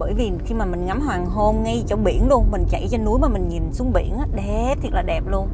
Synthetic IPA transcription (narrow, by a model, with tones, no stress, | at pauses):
ɓəː˧˩jvi˨˩xi˧maː˨˩mï˨˩ŋ̟ŋa˨˦mɦwaː˨˩ŋɦo˧mŋa˧jt͡ɕɔ˧ɓḭ˧˩ənlu˧ənmï˨˩ŋ̟t͡ɕa̰˧˩˨jt͡ɕɔ˧nu˨˦əjmaː˨˩mï˨˩ŋ̟ɲi˨˩nsu˨˦əŋ͡mɓḭ˧˩ənʔaː˨˦ɗe˧˩t̪ʰi˨˩t̚laː˨˩ɗɛ˨˩p̚lu˧ən